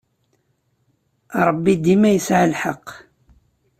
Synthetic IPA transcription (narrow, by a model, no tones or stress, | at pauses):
ɾˤəbːid̪imæjəsʕalħɑqː